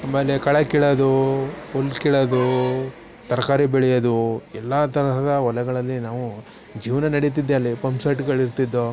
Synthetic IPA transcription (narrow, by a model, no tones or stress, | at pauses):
ameːlːekɐɭɐkiɭɐd̪uolkiɭɐd̪u | t̪ɐɾɐkaːɾibeɭɛjɐd̪uɛlːat̪ɐɾɐɦɐd̪ɐʋɔlɐɡɐɭɐlːinaːʋu | d͡ʒiːʋɐnɐnɐɽit̪̬id̪ːeɐlːipɐmsaːʈiɡɐɭiɾt̪id̪ːo